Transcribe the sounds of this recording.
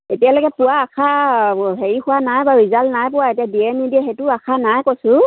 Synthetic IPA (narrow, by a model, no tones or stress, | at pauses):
etijalokɛpʊwaːkʰaɦeɹixʊwanajbaɹizalnajpʊwaetijadiɛnidiɛxetʊakʰanajkojsʊ̃